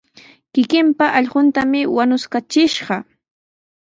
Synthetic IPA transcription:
kɪkɪmpaʔɑʎɢʊnt̪amɪwanʊskat͡ʃɪʃɢɑ

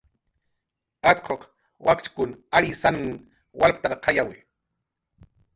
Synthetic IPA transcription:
at̪qʰoq | wakt͡ʃkʊnaɾisan | walpt̪aɾqʰɑjawɪ

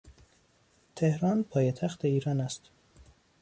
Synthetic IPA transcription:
t̪ʰe̞hɾɒːnpʰɒːjet̪ʰæxt̪ʰe̞iːɾɒːnæst̪

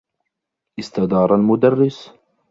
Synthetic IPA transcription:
ʔɪst̪ad̪ɑːɾˤalmʊd̪ɑrːɪs

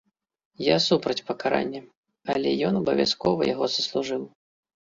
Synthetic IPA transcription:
jasupɾɐt͡sʲpɐkaɾa̰nʲːɐ | ɐlʲɛjɔnɐbɐvʲa̰skɔvɐ̰ja̰ɣɔzɐslˠuʐɨw

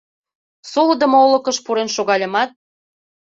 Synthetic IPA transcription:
solɤd̪ə̆moolɤ̆kə̆ʃpuɾenʃoɣɑlʲə̆mɑt̪̚

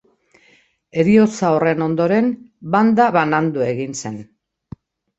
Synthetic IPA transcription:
e̞ɾio̞t͡sao̞re̞no̞nd̪o̞ɾe̞nband̪aβanand̪ue̞ɣinse̞n

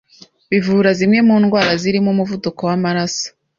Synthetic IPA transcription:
βivuːɾazimŋe̞muːnɡwaːɾaziɾimumuvuduko̞wamaɾaso̥

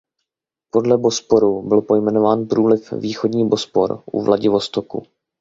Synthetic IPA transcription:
po̞dlɛbo̞spo̞ɾubɪlpo̞jmɛnovaːnpɾuːlɪfviːxodɲiːbo̞spo̞̰ɾʔṵvlʔaɟɪvo̞st̪okṵ

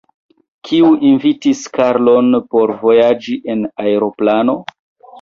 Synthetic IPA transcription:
kʰiuʔinvitiskaɾlo̞npo̞ɾvo̞jad͡ʒiʔe̞naeɾo̞plano̞

